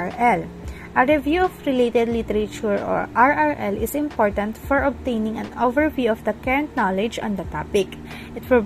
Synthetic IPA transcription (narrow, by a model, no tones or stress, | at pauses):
ɹɛl | ʔɐɹɛvjuɔfɹɪlet̪ɛd̪lit̪ɛɾɐt͡ʃuɹɔ̰ɹʔaɹaɹʔɛlɪsɪ̃mpɔɹt̪ɐ̃nt̪fɔɹɔb̚t̪ejnɪ̃ŋɐ̰̃novɛɹvjuɔfd̪ɐkɛɹɐ̃nt̪̚nalɛd͡ʒɔ̰̃nd̪ɐt̪apɪk | ʔɪt̪pɪl